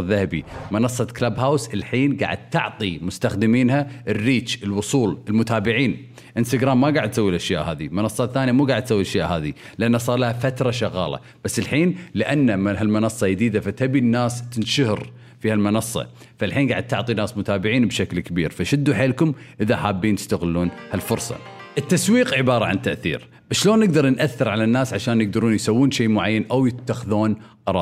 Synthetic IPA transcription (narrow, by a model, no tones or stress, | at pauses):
ðahabḭmɑnɑsˤːɑklabɦawsɪlħiːnɡa̰ːʕɪd̪̚t̪ɪʕt̪ˤimʊst̪axd̪ɪmiːnhaʔɪrːiːt͡ʃɪlwʊsˤuːlɪlmʊt̪aːbɪʕiːn | ʔɪnst̪aɡɾaːmːaɡaːʕɪd̪t̪sawːilʔaʃjaːʔɦaːðimɑnɑsˤːɑt̪θːaːnjamuːɡaːʕd̪̚sawːilʔaʃjaːʔɦaːði | lɪʔanːasˤɑːɾˤlahafat̪ɾˤɑʃɑɣɑ̰ːlɑ̰ | b̥asːɪlħiːnlɪʔanːamaɦalmɑnɑsˤːɑjɪd̪iːd̪afat̪abinːaːst̪ɪnʃʊhɪɾ | fiːhalmɑnɑsˤːɑ̰ | falħiːnɡaːʕɪd̪̚t̪ʊʕt̪ˤinaːsmʊt̪aːbɪʕiːnbʃaklkabḭːɾfaʃɪd̪ːuħeːlkʊmʔɪðaħaːbːiːnt̪ɪ̥st̪aɣɪlːuːnhalfʊɾsˤɑ̰ | ʔɪt̪ːaswiːqʕɪbɑːɾˤɑʕa̰nt̪ːaʔθḭːɾ | b̥aʃːʃloːnːɪɡ̚d̪ɑɾˤnʔaθːɪɾʕalanːaːsʕaʃaːnjɪɡ̚d̪ɑɾˤuːnjsawːuːnʃeːʔmʊʕajːanʔawjɪt̪ːaxðuːnqɑɾˤɑːˤ